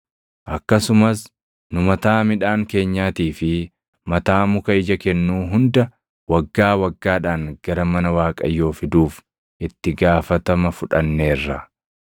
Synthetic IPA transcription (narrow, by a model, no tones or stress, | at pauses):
ʔɐkːɐsʊmɐs | nʊmɐt̪aːmɪᶑaːŋke̞ːɲːaːt̪iːfɪ | mɐt̪aːmʊkɐɪd͡ʒɐkɛnːuːɦʊnd̪ɐ | wɐɡːaːwɐɡːaːᶑaːŋɡ̥ɐɾɐmɐnɐwaːkʼɐ̰jːo̞ːfɪd̪uːf | ʔɪt̪ːɪɡaːfɐt̪ɐmɐfʊᶑɐnːe̞ːrːɐ